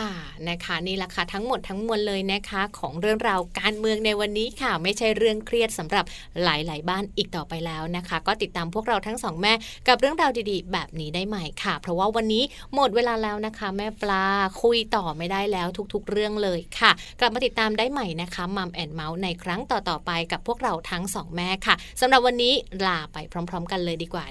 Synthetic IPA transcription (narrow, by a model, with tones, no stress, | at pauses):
kʰa˥˩ | na˦˥kʰa˦˥niː˥˩lɛ˨˧˩kʰa˥˩t̪ʰa˦˥ŋmo˨˩t̪ʰːa˦˥ŋmu˧ən̚lɤː˧jna˦˥kʰa˦˥kʰɔː˩˦ŋɾɯ˥˩əŋɾa˧wkaː˧nmɯ˧əŋna˧jwa˧nːiː˦˥kʰa˥˩ma˥˩jt͡ɕʰa˥˩jɾɯ˥˩əŋkʰɾi˥˩ət̪̚sa˩˦mɾa˨˩p̚ | laː˨˩˦jlaː˩˦jbaː˥˩nʔiː˨˩k̚t̪ɔː˨˩pa˧jlɛː˦˥wna˦˥kʰa˦˥kɔː˥˩t̪i˨˩t̪ːaː˧mpʰu˥˩ək̚ɾa˧wt̪ʰa˦˥ŋsɔː˩˦ŋmɛː˥˩ | ka˨˩p̚ɾɯ˥˩əŋɾaː˧wdiː˧diː˧bɛː˨˩p̚niː˦˥daː˥˩jma˥˩jkʰa˥˩pʰɾɔ˦˥waː˥˩wa˧nːiː˦˥ | mo˨˩t̪̚weː˧laː˧lɛː˦˥wna˦˥kʰa˦˥mɛː˥˩plaː˧kʰu˧jt̪ɔː˨˩ma˥˩jdaː˥˩jlɛː˦˥wt̪ʰu˦˥k̚t̪ʰu˦˥k̚ɾɯ˥˩əŋlɤː˧jkʰa˥˩kla˨˩p̚maː˧t̪i˨˩t̪ːaː˧mdaː˥˩jma˥˩jna˦˥kʰa˦˥ma˧mʔɛː˧nma˦˥wna˧jkʰɾa˦˥ŋt̪ɔː˨˩t̪ɔː˨˩pa˧jka˨˩pʰːu˥˩ək̚ɾa˧wt̪ʰa˦˥ŋsɔː˩˦ŋmɛː˥˩kʰa˥˩ | sa˨˦mɾa˨˩p̚wa˧nːiː˦˥laː˧pa˧jpʰɾɔː˦˥mpʰɾɔː˦˥mka˧nlɤː˧jdiː˧kwa̰ː˨˩